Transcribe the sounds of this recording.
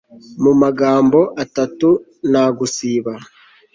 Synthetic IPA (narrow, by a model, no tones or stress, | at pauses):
mumaɡaːmboʔatatu | naɡusiːβa